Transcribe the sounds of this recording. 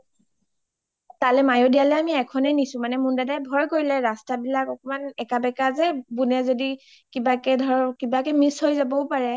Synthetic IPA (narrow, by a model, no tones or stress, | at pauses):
talɛmajodijalɛamiɛkʰɔnɛnisʊ̃manɛmundadajbʱɔjkoɹilɛɹastabilakɔkɔmanɛkabɛkazɛbunɛzodi | kibakɛdʱɔɹkibakɛmishojzabɔʊpaɹɛ